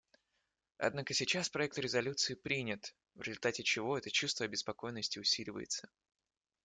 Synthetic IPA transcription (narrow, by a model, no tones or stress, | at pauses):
ɐ̰d̪nakəsʲɪt͡ɕaspɾɐɛk̚t̪ɾʲɪzɐlʲut̪sɨɪpɾʲinʲɪt̪ | vɾʲɪzʊlʲt̪atʲɪt͡ɕɪvo̞ɛt̪ət͡ɕust̪vəɐbʲɪspɐko̞jnːəsʲtʲɪʊsʲilʲɪvə̰jɪ̰t̪sə̥